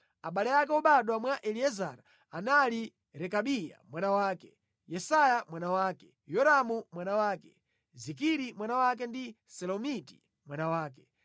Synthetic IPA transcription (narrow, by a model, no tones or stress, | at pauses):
aɓalɛjakɛɔɓaɗwamwaʔɛliɛza̰ɾa | anali | ɾɛkaɓija̰mwanawaːkɛ | jɛsajamwanawaːkɛ | jɔɾamumwanawaːkɛ | zik̬iɾimwanawak̬ɛndi | sɛlɔmiti̥̰ | mwanawaːk̬ɛ